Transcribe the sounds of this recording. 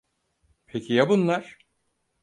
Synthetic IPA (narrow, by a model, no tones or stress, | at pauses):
pʰecʰijabunlˠaɾ̥